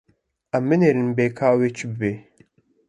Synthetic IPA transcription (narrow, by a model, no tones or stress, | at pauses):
æmːɨneːɾɨnbeːkʰaːweːt͡ʃʰɨbɨbeː